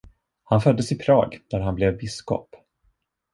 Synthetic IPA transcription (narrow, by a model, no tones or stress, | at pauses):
hanfœd̪ːəsɪpʰɾɑːɡd̪̥æɾɦanblɛvbɪskɔ̰p